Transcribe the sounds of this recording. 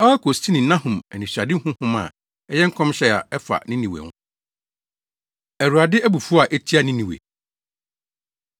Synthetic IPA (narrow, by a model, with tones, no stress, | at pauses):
ɛ˦ɛ˦kʰo˨stʰi˦nɪ̃˨nã˦ɦʊ̃˨mɛ˨nĩ˨ɕᶣa˨dɪ˦hʊ̃˦hʊ̃˦mã̰˨ | ɛ˦jɛ˦ŋ̩˦kʰɔ̃˦mɕɛ˦a̰˨ɛ˦fa̰˨nɪ̃˦nĩ˨wḛ˨wʊ̰̃˦ | æ˨ɾu˨a˨dɪ˦æ˦bu˨fu˦a˨ʔɛ˦tʰi˦a˨nɪ̃˦nĩ˨wḛ˨